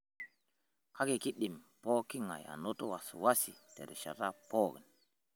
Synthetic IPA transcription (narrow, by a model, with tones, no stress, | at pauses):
kʰa˦ɡe˨ki˦ɗːi˨mpo˦ki˦ŋa̰˨ja̰˨no˦to˦wa˨su˨wa˦si˨te˨ɾɛ˨ʃa̰˨ta˦po˦ɡi˨n